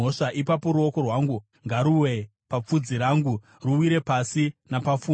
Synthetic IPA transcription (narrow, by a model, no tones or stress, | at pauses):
oʂaʔipapo̞ɾuo̞ko̞rwaːŋɡu | ŋɡaɾuwe̞ | pap͡fud͡ziɾaːŋɡu | ruwiɾe̞pasinapafuː